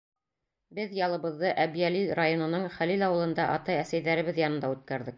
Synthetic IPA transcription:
bɘðjɑlˠɤ̆βɤ̆ðːɤʔæbijælilrajo̞nɤ̆nɤɴχælilɑwɤ̆lˠɤ̆nd̪ɑʔɑt̪ɑjæsæjðæɾɘ̆βɘðjɑnɤ̆nd̪ɑʉt̪̚kæɾðɘk̚

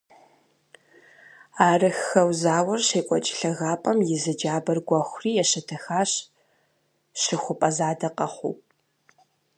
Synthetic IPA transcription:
aːrɨxɐwzaːwɐrɕeːkʷʼɔt͡ʃʼɪ̥ɬɐɣaːpʼɐmjɪzɨd͡ʒaːbɐrɡʷɐxʷʊriːjɛɕɐtʰɐxaːɕ | ʃɪxʷʊpʼɐzaːdɐqʼɐχʷṵː

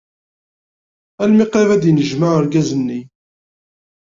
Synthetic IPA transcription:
ælmiqævæd̪jnəʒməʕəɾɡæzənːi

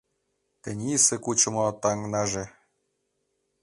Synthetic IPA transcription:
t̪ɘ̆nʲisĕkut͡ɕɤ̆mot̪ɑŋnɑʒe

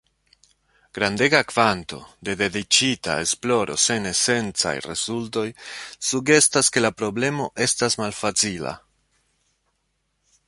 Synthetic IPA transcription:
ɡ̥ɾande̞ɡakv̥anto̞de̞de̞dit͡ʃita̰e̞splo̞ɾo̞̰se̞ne̞se̞nt͡sa̰jrḛzulto̞jsuɡe̞staske̞lapɾo̞ble̞mo̞ʔe̞stasmalfat͡sila̰

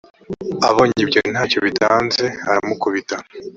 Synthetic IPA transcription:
aβo̞ːɲibɟon̥aːcoβitaːnze̞aɾamukuβita

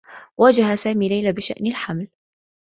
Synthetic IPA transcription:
wad͡ʒahasaːmiːlajlabɪʃa̰ʔnɪlħaml

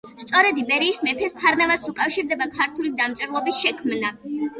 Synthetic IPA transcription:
st̪sʼɔɾɛd̪ibɛɾiːsmɛpʰɛspʰaɾnavasukʼafʃiɾd̪ɛbapʰaɾt̪ʰulid̪amt̪sʼɛɾlˠɔbisʃɛkʰmna

